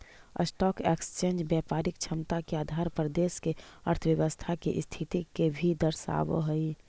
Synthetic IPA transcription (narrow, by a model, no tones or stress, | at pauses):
ə̰sʈɔːkekst͡ʃẽːnd͡ʒbjaːpaːɾɪk̚t͡ʃʰəmt̪akeaːd̪ʱaːɾpɾəd̪eːskeəɾt̪ʰəwjəʋəst̪ʰakḛʔst̪ʰit̪ikebʱid̪əɾsa̰ːʋ̰ɦəi